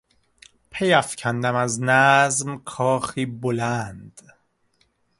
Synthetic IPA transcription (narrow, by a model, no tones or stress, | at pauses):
pʰejæfcʰænd̪æmæznæzmkʰɒːxiːbolænd̪̥